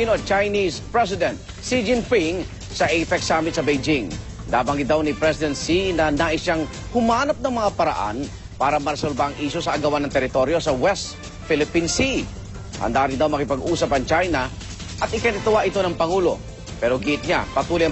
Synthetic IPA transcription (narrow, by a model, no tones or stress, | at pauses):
inot͡ʃajnispɹɛs̬ɪd̪ɛnt̪̚ | sid͡ʒɪnfiŋ | sɐʔɛjfɛksamɪt̪sɐbejd͡ʒɪŋ | d̪aːbaŋɡɪd̪awnipɾɛsɪd̪ɛnt̪sinɐnaːʔɪsjaŋ | hʊmaːnɐp̚nɐŋmɐŋapɐɾɐ̰ʔa̰n | paːɾɐmɐɾɐsɐɾlbaːŋʔiːʃosɐʔːɡɐwanɐŋt̪ɛɾɪt̪o̞ɾjo̞sɐwɛst̪ | fɪlɪpinsi | hɐ̰nd̪aːɾɪnd̪awmɐkɪpɐɡuːsɐpɐŋt͡ʃajnɐ | ʔɐt̪ʔɪkanɪt̪ʊwaʔɪt̪o̞nɐŋpɐŋuːlo̞̰ | pɛːɾoɡiʔt̪̚ɲa̰pɐt̪uːlj